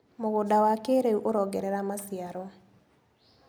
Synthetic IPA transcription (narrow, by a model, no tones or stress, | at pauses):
moɣodawakeɾeuʔoɾɔːɡɛɾɛɾamasiaɾɔ